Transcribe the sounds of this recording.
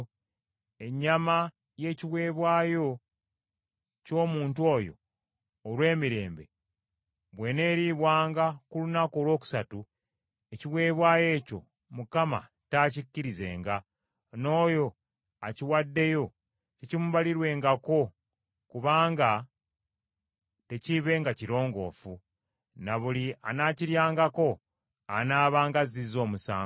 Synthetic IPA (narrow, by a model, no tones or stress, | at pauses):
e̞ɲːama | je̞ːciβwe̞ːβwaːjo̞ | co̞ːmuːntuo̞ːjo̞̰ː | lwe̞ːmiɾe̞̰ːmbe̞̰ | βwe̞ne̞ːɾiːβwaːŋɡakulunakoːlwo̞ːku̥satu | e̞ciwe̞ːβwaːje̞ːco̞̰ | mukama̰ | taːcicːiɾize̞̰ːŋɡa | no̞ːjo̞ | aciwadːe̞jo̞ | cecimuβaliɾwe̞ːŋɡako̞ | kuβaːŋɡa | te̞ciβe̞ːŋɡaciɾo̞ːŋɡo̞̰ːfu | naβulia̰naːciɾjaːŋɡako̞ | a̰naːβaːŋɡazizo̞ːmusa̰ː